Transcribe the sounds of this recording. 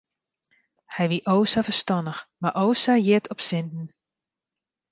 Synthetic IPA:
hɛjʋiʔoːsafərstɑndəxmaʔoːsajɪtʰɔpsɪndn̩

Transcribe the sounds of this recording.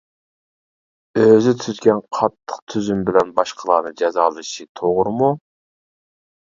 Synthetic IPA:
øzyt̪ʰyzɡʲɛnqʰɑt̪ʰːəq̚t̪ʰyzymbɪlɛnbɑʃqʰəlˠɑ̰nɨd͡ʒɛzɑːlˠɨʃit̪ʰoʁʊɾɨmu

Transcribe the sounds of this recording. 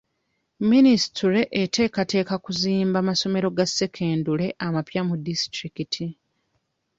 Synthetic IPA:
minisi̥tuɾe̞ʔːtʰe̞ːkate̞ːkakuziːmbamaso̞me̞ɾo̞ɡasːe̞kʰe̞ːndule̞ʔamapjamudistɾikitʰi

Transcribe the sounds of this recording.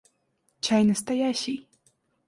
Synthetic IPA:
t͡ɕajnɐst̪ajaɕʲij

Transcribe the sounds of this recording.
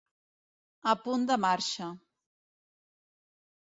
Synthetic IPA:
əpund̪əmaɾʃə

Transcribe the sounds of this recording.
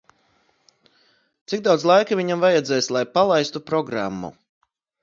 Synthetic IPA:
t̪sik̚d̪awd̪zlˠajkaviɲamvajɛd̪zɛːjslˠajpalˠajst̪upɾɔɡɾa̰mːṵ

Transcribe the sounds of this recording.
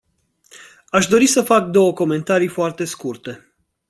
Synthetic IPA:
aʃd̪o̞ɾisəfak̚d̪o̞wəko̞me̞nt̪aɾijfoart̪e̞skurt̪e̞

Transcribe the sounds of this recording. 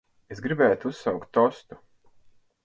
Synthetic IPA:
esɡɾibɛːt̪uusːawkt̪ːɔst̪u

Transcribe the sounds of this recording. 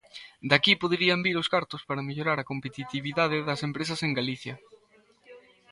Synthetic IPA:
d̪akipoðɾiɐmbiɾoskaɾt̪ospaɾɐmeʎoɾaɾɐkompet̪it̪iβiðaðɪðɐsempɾesɐseŋɡaliθjɐ

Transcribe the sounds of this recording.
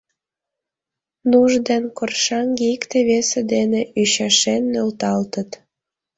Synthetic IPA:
nuʒd̪enkorʃɑŋɡeikt̪eβesed̪eneyɕɑʃenːølt̪ɑlt̪ət̪

